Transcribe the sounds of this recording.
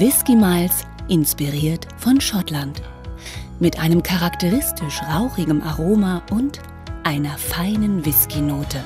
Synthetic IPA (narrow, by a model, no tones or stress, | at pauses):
vɪskimaɪls | ʔɪnspiʁiːɐtfɔnʃɔtlant | mɪtʔaɪnəmkʰaʁaktəʁɪstʰɪʃʁaʊχɪɡəmʔaʁoːmaʔʊnt | ʔaɪnɐfaɪnənvɪskinoːtə